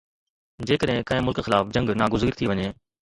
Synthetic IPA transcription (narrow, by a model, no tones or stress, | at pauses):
d͡ʑeːkəɗɦɪ̃kɐ̃ɦɪ̃mʊlkxɪlaːfd͡ʑɐ̃ŋɡnaːɡʊziːɾt̪ʰiʋɐɲeː